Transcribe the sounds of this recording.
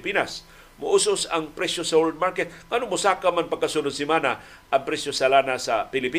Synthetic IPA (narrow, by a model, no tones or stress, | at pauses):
pinas | mʊʔusʊsaŋpɾɛsjosawold̪̚maɾkɛt̪̚ŋanʊmʊsaːkamanpaɡkːasunʊd̪simana | ʔaŋpɾɛsjosalanasapɪlɪpi